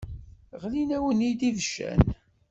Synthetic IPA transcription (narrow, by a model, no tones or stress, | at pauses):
ʁlinæwənid̪iðəʃːæ̰n